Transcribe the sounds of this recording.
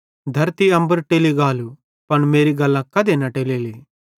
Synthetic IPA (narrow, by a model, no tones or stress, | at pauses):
d̪ʱɐɾt̪iɐmbɐɾʈeliɡaːlu | pɐnmeːɾiɡɐlːɐkːɐd̪enɐʈeleli